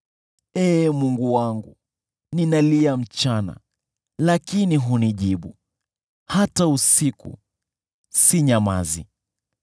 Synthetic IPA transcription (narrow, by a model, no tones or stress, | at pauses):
ɛːmuŋɡuwaŋɡu | ninaliam̩t͡ʃana̰ | lakiniɦuniʄiɓu | hatausikṵ | siɲama̰zḭ